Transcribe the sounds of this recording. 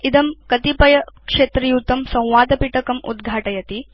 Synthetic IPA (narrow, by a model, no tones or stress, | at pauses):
id̪ɐmkɐt̪ipɐjɐkʂeːt̪ɾijut̪ɐmsɐ̃w̃ʋaːd̪ɐpiʈɐkɐmṵd̪ɡʱaːʈɐjɐt̪i